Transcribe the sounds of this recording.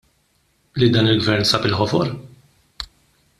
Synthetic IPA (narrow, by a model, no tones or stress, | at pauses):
lid̪ɐːnɪlɡvɛɾnsɐːpɪlħɔfɔɾ